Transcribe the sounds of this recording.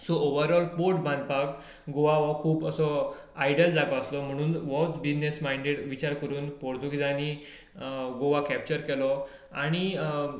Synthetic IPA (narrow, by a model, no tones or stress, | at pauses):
sooʋəɾɔlpoɾʈbʱãnd̪̚pak | ɡoʋaʋɔkʰuːpəsɔ | ajɖəld͡zaɡɔaslɔm̤əɽ̃uːnʋɔt͡sbid͡ʑnesmaiɳɖeʈʋit͡ɕaɾkəɾuːnpoɽt̪ukid͡zãñi | ɡoʋakæp̚t͡ɕəɾkɛlɔ | aɽ̃i